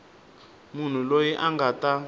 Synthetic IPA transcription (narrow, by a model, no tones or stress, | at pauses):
mun̤ulojiʔaŋɡata